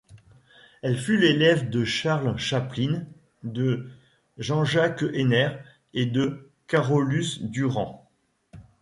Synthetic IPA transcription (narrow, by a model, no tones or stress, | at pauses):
ɛlfylelɛvd̪əʃaʁlʃaplin | d̪ə | ʒɑ̃ʒakenɛʁ | ed̪ə | kaʁɔlysd̪yʁɑ̃